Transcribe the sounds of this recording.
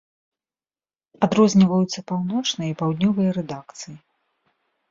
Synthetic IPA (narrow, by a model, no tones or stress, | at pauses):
ad̪ɾɔzʲnʲivɐjut̪sːɐpawnɔt͡ʂnɨjɐipawd̪ʲnʲɔvɨjɐɾɛd̪akt̪sɨji